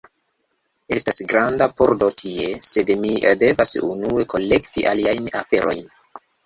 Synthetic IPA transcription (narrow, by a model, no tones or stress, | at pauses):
e̞stasɡɾandapoɾdo̞tʰie̞se̞dmide̞vasṵnue̞ko̞le̞ktiʔaliajnafe̞ɾʔo̞̰jn